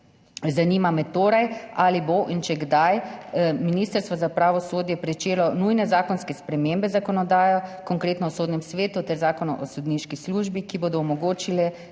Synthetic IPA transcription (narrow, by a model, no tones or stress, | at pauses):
zaniːmamɛt̪oːɾajaːliboʔint͡ʃɛɡd̪ajminiːst̪əɾst̪ʋɔzapɾaːʋɔsoːd̪jɛpɾɛt͡ʃeːlɔnujnɛzaːkɔnskɛspɾɛmeːmbɛzakɔnɔd̪aːjɔkɔŋkɾeːt̪nɔɔsoːd̪nɛmsʋeːt̪ut̪ɛɾzaːkɔnɔʔɔsɔd̪niːʃkisluʒbikiboːd̪ɔmɔɡoːt͡ʃilɛ